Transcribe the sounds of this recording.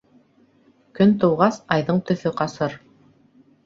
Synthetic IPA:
kɵnt̪ɤ̆wʁɑsɑjðɤɴt̪ɵ̆θɵqɑsɤɾ

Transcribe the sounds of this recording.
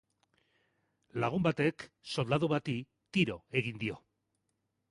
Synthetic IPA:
laɣ̞umbat̪e̞kso̞ld̪aðuβat̪i | t̪iɾo̞e̞ɣ̞ind̪io̞

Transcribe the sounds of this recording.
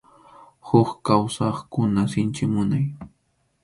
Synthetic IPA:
hʊkkawsɑχkʊnasɪnt͡ʃɪmʊnaj

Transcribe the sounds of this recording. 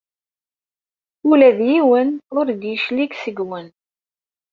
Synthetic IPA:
ulæðjiwənʊɾd̪jəʃliksəɡwən

